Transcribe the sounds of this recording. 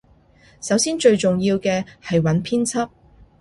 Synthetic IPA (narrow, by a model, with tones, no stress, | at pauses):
sɐ˨˥wsiː˥nt͡ʃɵ˧ɥt͡ʃʊ˨ŋjiː˧wkɛː˧hɐ˨jwɐ˨˥npʰiː˥nt͡sʰɐ˥p̚